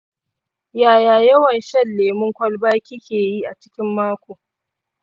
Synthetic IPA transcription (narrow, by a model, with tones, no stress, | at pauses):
jaː˨jaː˨jɐ˦wɐ˨nʃɐ˦lːeː˨mʊ˦ŋkʷɐ˦lbaː˦kʲɪ˦kʲeː˨jiː˦ʔa˨t͡ʃɪ̥˦kʲɪ˦mːaː˦kʷoː˨